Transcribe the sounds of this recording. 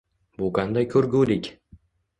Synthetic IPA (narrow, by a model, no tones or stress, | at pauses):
bʊqʰɑnd̪ajkʲʰɵɾɡʲuːlɪkʲ